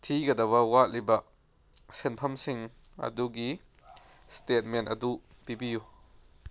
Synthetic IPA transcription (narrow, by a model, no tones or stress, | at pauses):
t̪ʰiɡɐd̪ɐwawatlibaʔ | sɛnpʰɐmsiŋ | ɐ̰d̪uɡi | stet̚mɛntɐduʔ | pibiju